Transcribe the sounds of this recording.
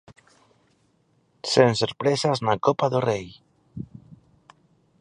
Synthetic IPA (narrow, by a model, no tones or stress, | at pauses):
senseɾpɾesaznakopaðorej